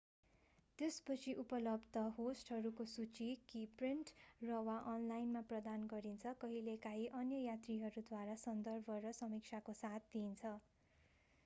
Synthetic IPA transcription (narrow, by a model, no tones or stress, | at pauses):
t̪espʌt͡sʰiʔupʌlʌbd̪ʌɦosʈɦʌɾukosut͡sikipriɳʈrʌwaʔʌnlajnmaprʌd̪anɡʌɾint͡sʰʌkʌɦilekaɦiʔʌnjʌjat̪riɦʌɾud̪waɾasʌnd̪ʌrbʱʌɾʌsʌmik̚t͡sʰakosat̪̚ʰd̪iːnt͡sʰʌ